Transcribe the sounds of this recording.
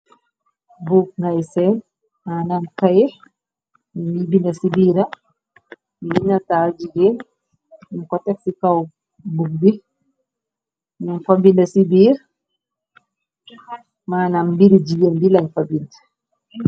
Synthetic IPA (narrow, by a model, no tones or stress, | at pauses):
bukŋɡajsɛn | maːnamkai | ibindasibiɾa | minatad͡ʒiɡen̩ | kɔtɛksika | buk̚bi | naŋfabindasibiɾ | manambiɾid͡ʒiɡɛmbilanfabinda